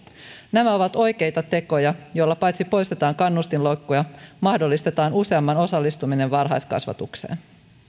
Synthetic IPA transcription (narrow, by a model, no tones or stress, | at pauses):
næmæo̞ʋɑt̪o̞jke̞jt̪ɑt̪e̞ko̞jɑjo̞jlːɑpɑjt̪sipo̞jst̪et̪ɑːŋkɑnːust̪inlo̞jkːojɑmɑhdo̞lːist̪e̞t̪ɑːnuse̞ɑmːɑno̞sɑlːist̪umine̞ʋʋɑrɦɑ̰jskɑ̰sʋɑ̰t̪ukse̞̰ːn